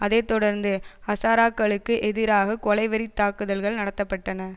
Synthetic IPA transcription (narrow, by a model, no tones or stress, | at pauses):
ʔɐðeːt̪ːɔɽɐɾnd̪ɯɐsaːɾaːkːɐɭɯkːɯʔɛðɪɾaːɣɐkɔlɐɪʋɐɾɪt̪ːaːkɯðɐlɣɐɭnɐɽɐt̪ːɐpːɐʈːɐnɐ